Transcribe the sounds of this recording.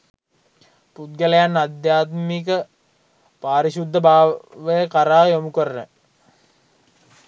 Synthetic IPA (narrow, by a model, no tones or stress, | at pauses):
put̪̚ɡəlejanːad̪jaːt̪mikə | paːɾiɕud̪ʱːəbaːʋəjəkaɾaːjomukəɾənə